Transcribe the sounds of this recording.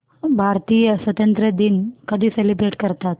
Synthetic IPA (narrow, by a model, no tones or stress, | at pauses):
bʱaɾt̪iːjəsʋət̪ənt̪ɾəd̪iːnkəd̪ʱiːselibɾeʈkəɾt̪at̪